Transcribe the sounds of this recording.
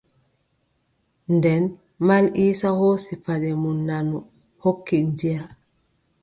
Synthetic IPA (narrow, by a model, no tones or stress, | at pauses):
ndɛn | maliːsahoːsipaɗɛmunːanu | hokːind͡ʒija